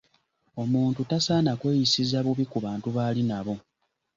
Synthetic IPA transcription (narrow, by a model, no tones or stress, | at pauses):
o̞muːntutasaːnakwe̞ːjisizaβuβikuβaːntuβaːlinaβo̞